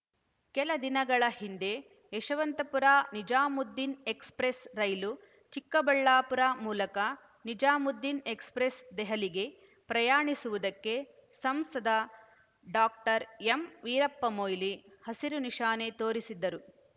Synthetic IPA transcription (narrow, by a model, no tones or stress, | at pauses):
kɛlɐd̪inɐɡɐɭɐhind̪e̞ː | ʃɐʋɐnt̪ɐpuɾaːnid͡ʒaːmud̪ːinekspɾesɾɐjlu | t͡ʃikːɐbɐɭːaːpuɾaːmuːlɐkɐ | nid͡ʒaːmud̪ːinekspɾesd̪ɛɦɐliɡe̞ | pɾɐjaːɳisuʋud̪ɐkːe̞ | sɐmsɐd̪ʱɐ | ɖaːk̚ʈɐɾemʋiːɾɐpːɐmoːjlihɐsiɾuniʃaːnet̪oːɾisid̪ːɐɾu